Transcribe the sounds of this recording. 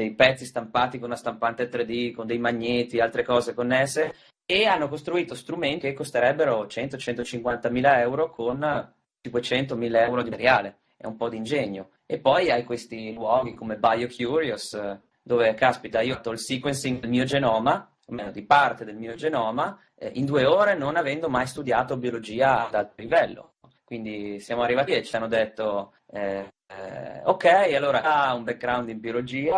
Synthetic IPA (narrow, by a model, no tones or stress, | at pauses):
d̪ejpɛt̪sːist̪ampaːt̪ikonunast̪ampant̪et̪ɾed̪ikond̪ejmaɲːet̪ialt̪ɾekɔːzekonːesːeː | anːokost̪ɾuiːt̪ost̪ɾument̪ikekːost̪eɾɛbːeɾot͡ʃɛnt̪ot͡ʃɛnt̪ot͡ʃiŋkwant̪amiːlaɛwɾokʰon | t͡ʃikwet͡ʃɛnt̪omiːlaɛwɾod̪ieɾjaːle | ɛ̰umpɔd̪ind͡ʒeɲːo | epːɔjajkwest̪ilwɔːɡ̟ikomebajokʰjuɾios | d̪oːvekaspit̪aiːot̪ːoilsikwensiŋd̪elmiːod͡ʒenɔːma | omenod̪ipart̪ed̪elmiːod͡ʒenɔːma | ʔind̪uːeoːɾenonavɛnd̪omajst̪ud̪jaːt̪obiolod͡ʒiːaad̪alt̪olivɛlːo̰ | kwind̪isjaːmoarːivatet͡ʃianːod̪et̪ːo | ɛ | okːɛjalːoːɾaumbek̚ɡɾawnd̪imbjolod͡ʒiːa